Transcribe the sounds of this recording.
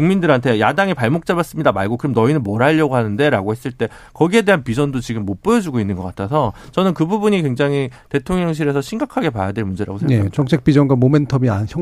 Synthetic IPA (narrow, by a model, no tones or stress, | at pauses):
kuŋmindɯɾɦantʰe̞jadaŋipaɭmok̚t͡ɕ͈abas͈ɯmɲidamaɭɡokɯɾɯmnʌinɯnmʌɾaʎːʌɡoɦanɯnde̞ɾa̰ɡohe̞s͈ɯɭt͈e̞ | kʌɡie̞de̞ɦanpid͡ʑʌndot͡ɕiɡɯmːop͈ojʌd͡ʑuɡoinːɯnɡʌk͈atʰasʰʌt͡ɕʌnɯnkɯbubuɲikwe̞ŋd͡ʑaŋɦite̞tʰoŋjʌŋɕ̬ʰiɾe̞sʰʌɕʰinɡakʰaɡe̞pajadweɭmund͡ʑeɾa̰ɡosʰet͡ɕʌŋt͡ɕʰe̞k̚p͈id͡ʑʌnɡwamome̞ntʰʌbiançjʌ